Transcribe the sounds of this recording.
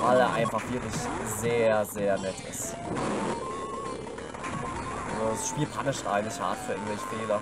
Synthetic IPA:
vaɪleɐʔa̰ɪnfaχv̥ɪɐklɪçzeːɐzeːɐnɛtʰɪ̰st | ʔalzodasʃpiːlpʰanɪʃtʔa̰ɪɡŋtɪçha̰ɐtfyːɐɪɐŋtvɛlçə̥feːlɐ

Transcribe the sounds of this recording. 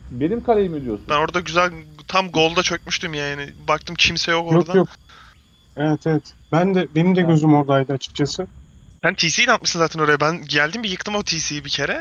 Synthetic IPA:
benimkʰalʲejimed̪ijosunbæno̞ɾad̪aɟyzælʲt̪ʰamɡo̞lˠd̪at͡ʃʰø̞c̚myʃt̪ymjaːanɪbakt̪ʰɯmcʰimsɛjo̞kojoɾad̪ajok | evɛt̪ʰevɛt̪bænd̪ɛbenimd̪ɛɟø̞zymo̞ɾd̪ajd̪ɯat͡ʃʰɯ̥k̚t͡ʃʰasɯ | sænt̪ʰiːsijːinant̪mɯʃsɯnzaːt̪ʰæno̞ɾajabænɟælʲd̪imbijɯkt̪ʰɯmo̞t̪ʰiːsijibicʰe̞ɾɛ

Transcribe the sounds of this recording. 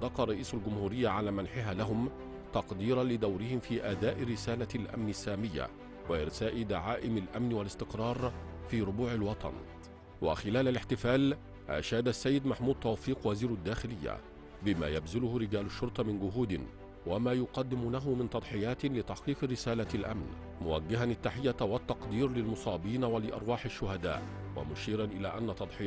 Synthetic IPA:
d̪ɑqɑɾˤɑʔiːsalɡʊmhuːɾɪjːaʕalaːmanħɪɦaːlaɦʊm | t̪ɑqd̪iːɾˤɑnlɪd̪awɾɪhɪmfiːʔad̪aːʔɾɪsaːlalʔa̰mnɪsːaːmɪjːa̰ | waʔɪ̰ɾsaːʔɪd̪aʕaːʔɪmalʔamnwalɪst̪ɪqɾˤɑːɾˤfiːɾʊbuːʕalwɑt̪ˤʰɑ̰n | wa̰xɪlaːlalɪħt̪ɪfaːl | ʔa̰ʃaːd̪asːajːɪd̪maħmuːd̪̚t̪ˤɑwfiːqwaziːɾad̪ːaːxɪlɪjːa̰ | bɪma̰ːjabzɪlʊhʊɾɪɡaːlʊʃːʊɾˤt̪ˤɑmɪnɡʊɦuːd̪ɪn | wamaːjʊqɑd̪ːɪmuːnaɦʊmɪnt̪ɑd̪ˤħɪjaːt̪lɪt̪aħqiːqɾɪsaːlalʔa̰mn | mʊwa̰ɡːɪɦanat̪ːaħɪjːawat̪ːɑqd̪iːɾlɪlmʊsˤɑːbiːnawalɪʔɑ̰ɾˤwɑːħaʃːʊhad̪a̰ːʔ | wa̰mʊʃiːɾɑnʔɪlaːʔanːat̪ˤɑd̪ˤħɪ

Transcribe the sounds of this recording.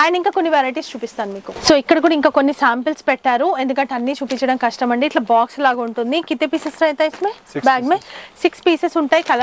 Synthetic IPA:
aːjɐnɐiŋkaːko̞nːiʋeːɾɐjʈ̬iːst͡ʃuːpist̪aːnumiːkusoːikːɐɽɐk̬uːɽɐiŋkaːkonːisaːmpɐlspɛʈːaːɾuend̪ukɐɳʈɐnːiːt͡ʃuːpiɲt͡ʃɐɽɐmkɐʂʈɐmɐɳɖiːʈlɐbaːkslaːɡɐuɳʈund̪ikit̪ːepiːsesɾɐjt̪ɐjisme | baːɡmesikspiːsesuɳʈaːjikɐl

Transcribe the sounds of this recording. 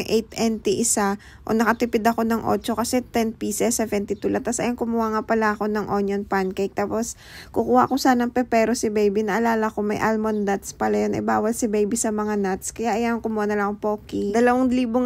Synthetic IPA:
ŋʔɛjt̪ʔɛnt̪iʔɪsa | ʔo̞̰nɐkɐt̪ɪpɪd̪ɐko̞nɐŋʔo̰t͡ʃo̞kɐsɛt̪ɛnpiːsɛsːɛvɛnt̪it̪ulɐt̪ːɐsɐ̰jaŋkʊmʊhaːŋapɐlaʔɐko̞nɐŋʔonjonpankejk̚t̪aːpo̞s | kʊkuːhɐʔɐkosaːnɐŋpɛpɛːɾosɪbɛjbinɐʔɐlaːlɐkomɐjʔalmond̪at̪spɐlajonʔɐ̰baːwɐlsɪbɛjbisɐmɐŋanat̪skɐjaʔɐjaŋkʊmuanɐlɐŋpoːkid̪ɐlɐwaŋliːbo

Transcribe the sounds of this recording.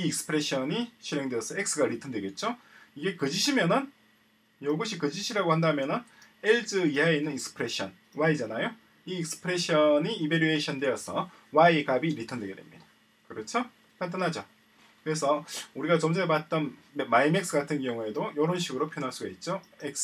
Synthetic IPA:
iːk̚sɯ̥pʰɯɾeɕ͈ʰʌniɕʰiɾe̞ŋdweʌsʰʌek̚s͈ɯɡaɾitʰʌndweɡe̞t̚t͡ɕ͈o | iɡe̞kɯd͡ʑiɕʰimjʌnɯn | jʌɡɯɕʰikɯd͡ʑiɕʰiɾaɡohandamjʌnɯneɭd͡ʑɯiainɯniksɯ̥pʰɯɾe̞ɕ͈ʰʌn | waid͡ʑanajo | iːk̚sɯ̥pʰɯɾe̞ɕ͈ʰʌɲiːbeɾue̞ɕʰʌndwe̞ʌsʰʌ | waikabiɾitʰʌndwe̞ɡedwe̞̰mɲḭdḁ | kɯɾʌt͡ɕʰo | pant̬͈anɦad͡ʑo | kɯɾe̞sʰʌuɾiɡat͡ɕʌmd͡ʑepat̚t͈ʌnemaimek̚s͈ɯɡatʰɯnkjʌŋue̞dojʌɾʌnɕʰiɡɯɾopʰjʌnɦaɭs͈uɡait̚t͡ɕ͈oek̚s

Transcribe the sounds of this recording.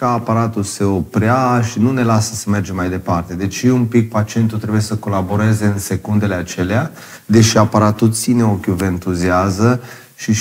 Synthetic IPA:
aːpaɾat̪use̞o̞pɾeaʃinune̞lasə̥səme̞rd͡ʒe̞majd̪e̞part̪e̞d̪e̞t͡ʃiumpik̚pat͡ʃie̞nt̪ut̪ɾe̞bujesəko̞labo̞ɾe̞ze̞ɨnse̞kund̪e̞le̞at͡ʃe̞lea | d̪e̞ʃiapaɾat̪ut̪sine̞o̞kʲjuve̞ɨnt̪uziazə | ʃi

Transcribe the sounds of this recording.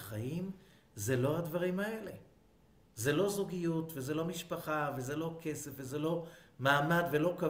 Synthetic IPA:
χajim | zelo̞ad̪vaʁimae̞le̞ | ze̞lo̞zuɡijut̪vezelo̞miʃpaχave̞zelo̞kʰe̞sefvezelo̞maːmad̪ve̞lo̞ka

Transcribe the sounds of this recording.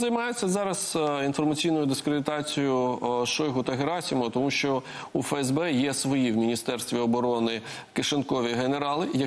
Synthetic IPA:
zɐjmɑjet͡sʲːɐzɑɾɐsinfɔrmɐt͡sʲijnɔjʊd̪ɪskɾʲed̪ɪt̪ɑt͡sʲijʊʃɔjɦʊt̪ɐɦeɾɑsʲimʊt̪ɔmuʃt͡ʃɔ | ufɛɛzbɛjɛsʋɔjiwmʲinʲist̪ɛrst̪ʋʲiɔbɔɾɔnɪ | keʃenkɔʋʲiɦeneɾɑlˠɪjɐ

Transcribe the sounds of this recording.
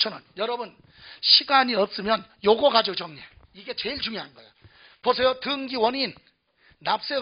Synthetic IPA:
t͡ɕʰʌnɯnjʌɾʌbun | ɕʰiɡaɲiʌp̚s͈ɯmjʌnjoɡoɡad͡ʑot͡ɕʌŋɲe | iɡe̞t͡ɕe̞iɭt͡ɕuŋjoɦanɡʌḛjo | pos̬ʰejotɯŋɡiwʌninː | ap̚s͈e

